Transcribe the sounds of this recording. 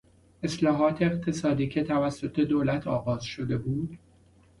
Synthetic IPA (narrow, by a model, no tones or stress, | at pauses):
e̞slɒːɦɒːt̪ʰeːqt̪ʰe̞sɒːd̪iːcʰe̞t̪ʰævæsːo̞t̪ʰe̞d̪oːlæt̪ʰɒːɣɒːz̥ʃo̞d̪e̞buːd̪̥